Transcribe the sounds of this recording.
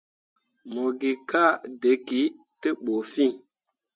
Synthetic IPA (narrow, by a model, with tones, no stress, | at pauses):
mo˨ɡi˨ka˦˨de˨˦ki˨˦ | te˦ɓo˨fi˦ŋ